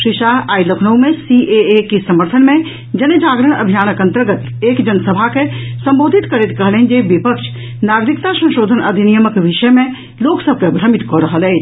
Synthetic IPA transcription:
ʃɾiʃaɦaːiləkʰnəwmẽsiʔeekisəməɾt̪ʰənmẽ | d͡ʒəned͡ʒaːɡɾəɽ̃ə̰bʱijaːnəkə̃nt̪əɾɡət̪ | eːkd͡ʒənsəbʱakesə̃mboːd̪ʱit̪kəɾet̪kəɦleɦn̆d͡ʒeʋipəkʃʰ | naːɡɾikt̪asə̃nʃoːd̪ʱənɐd̪ʱinijəməkʋiʃəmẽ | loːksəb̚ʱkebʱɾəmit̪kɔɾəɦəlɛː

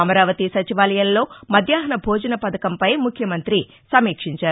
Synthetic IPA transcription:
ɐmɐɾaːʋɐt̪isɐt͡ʃiʋaːlɐjɐllo̞ːmɐd̪ʱjaːɦɐnɐbʱoːd͡ʒɐnɐpɐd̪ɐkɐmpɐjmukʰjɐmɐnt̪ɾi | sɐmiːkʂiɲt͡ʃaːɾ

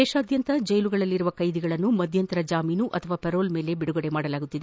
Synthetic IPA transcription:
ɛːʂaːd̪jɐnt̪ɐd͡ʒɐjluɡɐɭɐlːiɾuʋɐkɐjd̪iɡɐɭɐnːumɐd̪ʱjɐnt̪ɐɾɐd͡ʒaːmiːnuʔɐt̪ʰɐʋaːpeɾo̞ːlme̞ːle̞biɽuɡɐɽemaːɽɐlaːɡut̪ːid̪e

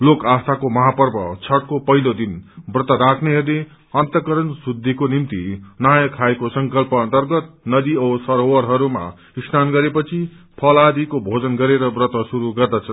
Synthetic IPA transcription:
lokast̪ʰakomʌɦapʌrbʌt͡sʰʌʈ̚kopʌɦilod̪inbrʌt̪ʌɾakʰneɦʌɾle | ʌnt̪ʌkʌɾʌnsud̪ʱːikonimt̪inajʌkʰːaekosʌŋkʌlpʌʌnt̪ʌrɡʌt̪̚nʌd̪iʌsʌɾowʌɾɦʌɾuma̰ | isnanɡʌɾepʌt͡sʰi | pʰʌlad̪ikobʱod͡zʌnɡʌɾeɾʌbrʌt̪ʌsuɾuɡʌrd̪at͡sʰʌ

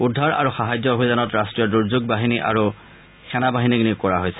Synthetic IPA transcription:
udʱːaɹa̰ɹuxaɦajd͡ʑɔobʱijzanɔtɹastɹijɔduɹzuɡ̚baɦiniʔa̰ɹu | xʰɛnabaɦiniknikɔɹaɦojsɛ̥

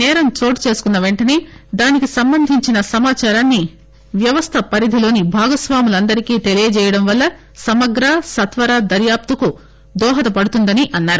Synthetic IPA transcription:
nɛːɾɐmt͡ʃo̞ːʈt͡ʃe̞ːsukunːɐʋe̞ɳʈɐneːd̪aːnikisɐmbɐnd̪ʱiɲt͡ʃinɐsɐmaːt͡ʃaːɾaːnːi | ʋjɐʋɐst̪ʰɐpɐɾid̪ʱilo̞ːnibʱaːɡɐsʋaːmulɐnd̪ɐɾikiːt̪e̞lijɐd͡ʒɛːjɐɽɐmʋɐlːɐ | sɐmɐɡɾaːsɐt̪ʋɐɾaːd̪ɐɾjaːp̚t̪uku | d̪ɔːɦɐt̪ɐpɐɽut̪und̪ɐniʔɐnːaːɾu

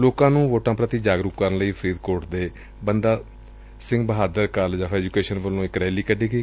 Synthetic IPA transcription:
loːkãːnũːʋoːʈãːpɾət̪iːd͡ʒaːɡɾʊkkəɾənləiːpʰəɾiːd̪koːɾʈd̪eː | bənd̪aː | sɪ̃ŋɡbəɦaːd̪əɾkəld͡ʒaːfʰɛːd͡ʒukeːʃənbəlːõːɪkɾɛːliːkəɖiːkiː

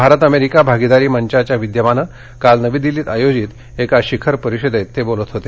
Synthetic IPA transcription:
bʱaɾət̪əmeɾikabʱaɡid̪aɾiːməɲt͡ɕat͡ɕjaʋid̪jəʋanə | kalnəʋiːd̪iliːt̪ajod͡ʑit̪ | ekaɕikʰəɾpəɾiɕid̪et̪ːebolət̪ɦot̪e

